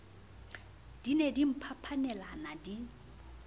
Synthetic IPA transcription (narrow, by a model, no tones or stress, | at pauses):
d̥inedim̩pʰapʰanɛlanadi